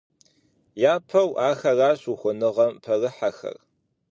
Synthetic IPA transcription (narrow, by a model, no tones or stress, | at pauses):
jaːpʰɐwaːxɐraːɕuxʷʊnɨʁɐmpʰɐrɨħaxɐ̰r